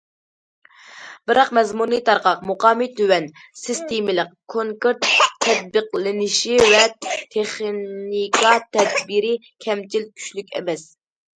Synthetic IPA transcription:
b̥ɪɾɑqmɛzmunɨt̪ʰɑɾqɑqmuqɑːmit̪ʰøwɛn | sɨst̪emɪlɪqkʰoŋkeɾt̪ʰːɛd̪̚bɨqlɪnɪʃiwɛt̪ʰeχnikʰɑt̪ʰɛd̪biɾɪkʲʰɛmt͡ʃʰilkʲʰy̥ʃlykʲɛ̰mɛs

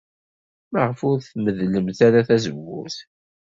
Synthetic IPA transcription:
məʁəfʊɾθməðləmt̪aɾaθæzəvːʊ̰θ

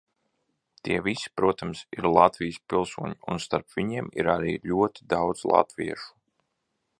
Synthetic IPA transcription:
t̪iɛvisi̥pɾuɔt̪amsiɾlˠat̪vijspilˠsuɔɲiunst̪aɾpv̥iɲiɛmḭɾaɾiːlʲuɔt̪i̥d̪awd̪zlˠɑ̰t̪vʲḭɛʃu̥

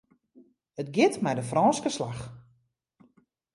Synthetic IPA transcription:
ətɡɪtmɛjdəfrɔːnskəslax

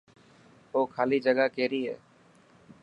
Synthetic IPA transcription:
oːkʰaːliːd͡ʒəɠaːkeːɾiːɦɛ̰ː

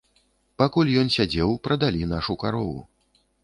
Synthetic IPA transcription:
pakulʲjɔnsʲad͡zʲɛwpɾɐd̪alʲinaʂukaɾɔvṵ

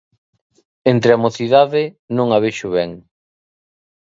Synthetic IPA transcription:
ent̪ɾeamoθiðaðɪ | nõŋaβeʃʊβɛŋ

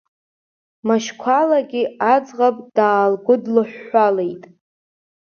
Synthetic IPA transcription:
maʃkʷʰalaɡʲɪad͡zʁapʼd̥aːlɡʷʊdlɨħʷᶣːale̞jtʼ

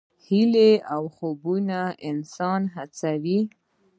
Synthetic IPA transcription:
hileawxobunaɪnsɑnɦat͡sawi

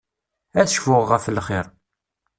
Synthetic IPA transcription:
æθəʃfʊʁːəflχɪɾˤ

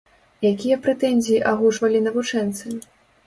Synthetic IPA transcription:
jakʲijɐpɾɛt̪ɛnʲzʲijiʔaɣuʂvɐlʲinɐvut͡ʂɛnt̪sɨ

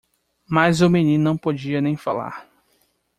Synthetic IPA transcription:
majzʊmẽnĩnnɐ̃w̃pod͡ʒiɐnẽj̃fala̰ɾ

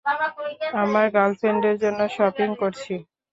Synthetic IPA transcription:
amaɾɡalfeɳɖeɾd͡ʑonːoʃɔpiŋkoɾt͡ɕʰi

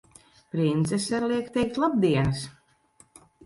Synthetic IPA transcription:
pɾint̪sɛsaɾlˠiɛkt̪ɛjk̚t̪lˠab̚d̪iɛnɨs

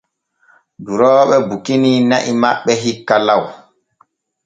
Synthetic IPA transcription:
duɾɔːɓɛbukininaʔimaɓːɛɦikːalaw

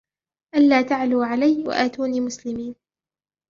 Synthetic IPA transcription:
ʔalːaːt̪aʕluːʕalajwa̰ʔaːt̪uːniːmʊslɪmiːn

